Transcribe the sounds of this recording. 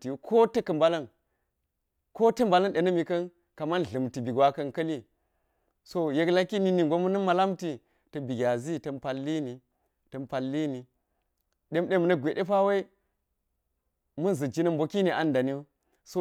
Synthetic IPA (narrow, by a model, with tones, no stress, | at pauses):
ti˨kʰo˦tɐ˦kɐ˨mba˦lɐ˦n | ko˦tɐ˦mba˨lɐ˦nɗe˨nɐ˦mi˨kɐ˦n | ka˨ma˦n˨ɮɨ˨mti˨bi˨ɡwa˦kɐ˦nkɐ˦li˦ | so˦je˦kla˦ki˦ni˨ni˨ŋ˨ɡʷo˦mu˦nɐ˦ma˨la˦mti˨ | tɐ˨bi˨ɡʲa˨zi˦tɐ˨mpa˨lːi˦ni˨ | tɐ˨mpa˨lːi˦ni˨ | ɗe˦mɗe˦mu˨nɐ˦ɡʷe˨ɗe˦pa˦wa˦i˦ | mu˦n˨zɨ˨d͡ʒi˦nɐ˦mbo˨ki˦ni˨ʔa˨nda˨ni˦u˦ | so˦